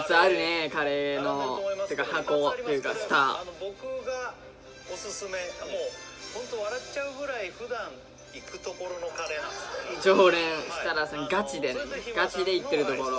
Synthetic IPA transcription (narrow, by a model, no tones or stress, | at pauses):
t͡sɨaɾɯ̟nekaɾe̞nooiɯkahako̞t̪ːejɯ̟ːkast̪aanobo̞kɯ̟ɡa | osɨsɨme̞mohõ̞nt̪oβaɾatt͡ɕaɯ̟ɡɯ̟ɾaiɸɯ̟d̪ãŋ | ikɯ̟t̪oko̞ɾonokaɾenãd͡ʑoːɾẽɰ̃ɕi̥t̪aɾasonoɡat͡ɕid̪enɡat͡ɕid̪e̞it̪ːe̞ɾɯt̪o̞ko̞ɾo